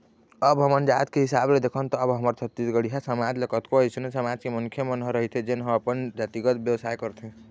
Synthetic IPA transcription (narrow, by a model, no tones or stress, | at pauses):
əbɦəmənd͡ʒat̪keɦisabled̪ekʰənt̪ɔːbɦəməɾt͡ʃʰət̪ːisɡəɽiɦasəmad͡ʒlekət̪koɦət͡ʃʰənesəmad͡ʒkemuŋkʰjəmənɦəɾəɦit̪ʰɛd͡ʒenɦəməpənd͡ʒat̪iɡəd̪̚bjəwsajkəɾt̪ʰẽ